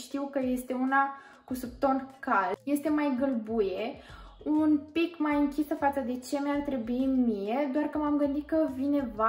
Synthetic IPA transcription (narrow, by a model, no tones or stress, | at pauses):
ʃt̪iwkəje̞st̪e̞una | kusupt̪o̞nkalje̞st̪e̞majɡəlbuje | unpikmajɨŋkʲisəfat̪səd̪e̞t͡ʃe̞meart̪ɾe̞buinmije̞d̪oarkəmamɡɨnd̪it̪kəvine̞va